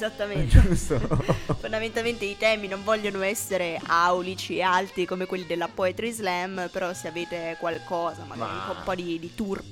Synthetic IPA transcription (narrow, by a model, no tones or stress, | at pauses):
ezat̪ːamend͡ʒst̪ofond̪ament̪alment̪eit̪ɛːminoɱvɔʎːonoɛsːeɾeʔawlit͡ʃiealt̪ɾikomekwelːid̪elːapɔet̪ɾizlɛmpeɾɔseaveːt̪ekwalkɔːzama̰lːa̰ɾfɔumpɔd̪id̪it̪ur